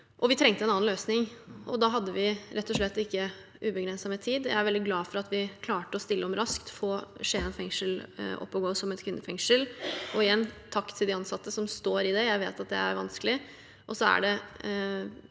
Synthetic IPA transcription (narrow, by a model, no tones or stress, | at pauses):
ʔɔʋɪt̪ʰɾɛŋt̪əɛnɑːnløːsnɪŋʔɔd̪ɑɦɑd̪ːəʋɪɾɛt̪ʰːɔʂɭɛt̪ːɪkːə | ʉːbəɡɾɛnsɑmɛt̪ʰiːd̪jæ̰ɪæɾʋɛlɪɡlɑːfɔɾɑt̪ʋɪkʰlɑːʈəɔst̪ɪlːəɔmɾɑskt̪foːʂeːɛnfɛŋʂəlɔ̰pːɔɡoːsɔmɛt̪kʰʋɪnd̪əfɛŋʂəlʔɔɪjɛnːt̪ʰɑkt̪ʰɪld̪ɪɑnsɑt̪ːəsɔmst̪oːɾɪd̪ɛjæɪʋeːt̪ɑt̪̚d̪ɛ̰æ̰ɾʋɑnskəlɪ | ʔɔsɔæ̰ɖɛ